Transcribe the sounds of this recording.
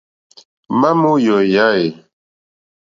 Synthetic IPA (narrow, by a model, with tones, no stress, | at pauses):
ma˦mu˦jɔ˨ja˦e˨